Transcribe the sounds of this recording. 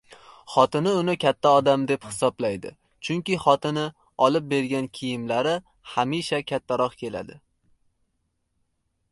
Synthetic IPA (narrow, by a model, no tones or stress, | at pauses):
χɒt̪ɪnɪʊnɪkʲʰat̪ʰːaɒd̪amd̪e̞phɪ̥sɒblajd̪ɪ̰ | t͡ʃʰʊŋkʲɪχɒt̪ɪnɪ | ɒlˠɪp̚be̞ɾɡʲankʲʰijɪmlaɾɪ | hamiʃakʲʰat̪ʰːaɾɒqkʲʰe̞la̰d̪ɪ